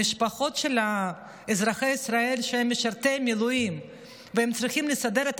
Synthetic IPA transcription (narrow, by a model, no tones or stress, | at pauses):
iʃpaχo̞t̪ʃela | ezɾaχejisɾaelʃehemːeʃaɾt̪emilujim | vehemt͡sɾiχimlesad̪eɾet̪